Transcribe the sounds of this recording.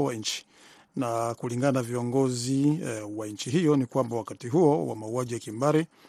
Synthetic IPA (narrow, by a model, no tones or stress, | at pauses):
waɲ̩t͡ʃi̥ | nakuliŋɡananaviɔŋɡɔziwaɲ̩t͡ʃiɦijɔnikwambawakatiɦuɔwa̰mauaʄijakimbaɾi